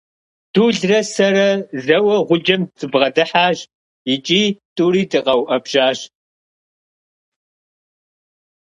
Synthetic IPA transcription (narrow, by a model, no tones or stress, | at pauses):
d̥uːɮrɐsɐɾɐzɐwɐʁʷʊd͡ʒɐmt͡sʼɨbʁɐdɨħaːʒ | ɪt͡ʃʼiːtʼuːɾiːdɨqʼɐwʔɐbʒ̥aːɕ